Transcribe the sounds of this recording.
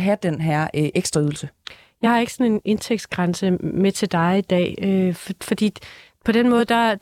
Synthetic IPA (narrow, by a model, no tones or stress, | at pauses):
ɦæd̥enɦæɐ̰ʔeɡ̥sd̥ʁɐyð̞ˠl̩sə | jɑ̈ɪhɑ̈e̝ɡ̥əsɒ̽ne̝ne̝nt͡sʰeɡ̥d̥sɡ̥ʁɑnsəmet͡sʰe̝ld̥ɑ̈ɪid̥ɛ̰ːøfɒ̽d̥ḭː | pʰɒ̽d̥enmɔ̽ːð̞̩ˠd̥ɑ̈